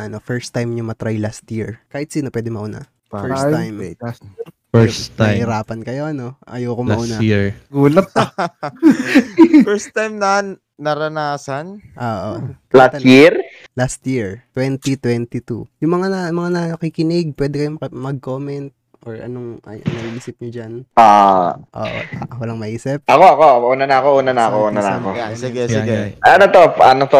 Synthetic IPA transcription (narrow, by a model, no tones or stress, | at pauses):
ɐno̞fɛɹst̪ːajmɲʊŋmɐt̪ɾajlast̪jiɹkaːhɪt̪̚siːnopwɛːd̪ɪmɐʔʊna̰ | fɛst̪ajm | fɛsajɪɾaːpɐnkɐjo̞ʔɐno̞ʔɐ̰jowkomʔunaiɹɡuːlɐt̪̚ | fɛst̪ːajmnɐanː | ɐɾɐnaːsɐn | ʔoːʔo̰ | lasɐjiɾ | last̪jiɹt̪wɛnt̪it̪wɛnt̪it̪ṵjʊŋmɐŋanmɐŋanɐɐkikɪnɪɡ̚pwɛd̪ɛkɐjomɐmɐɡ̚komɛnt̪̚ | ʔoɹʔɐ̰noŋʔɐ̰jo̰nɐɡʔiːsɪp̚ɲʊd͡ʒanʔoːʔoʔo̰ːʔo̰ʔwɐlaŋmɐʔiːsɪp̚ʔɐkoʔɐkoʔuːnɐnɐɐkoʔuːnɐnɐɐkoʔuːnɐnɐ̰ɐ̰kojasɪɡɛsɪɡɛʔɐnot̪oɐnot̪o